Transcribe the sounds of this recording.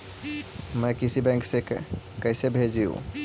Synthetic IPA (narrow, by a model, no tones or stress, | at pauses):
mɛ̃kɪsibɛ̃ŋkse | kɛːsebʱeːd͡ʒijṵ̃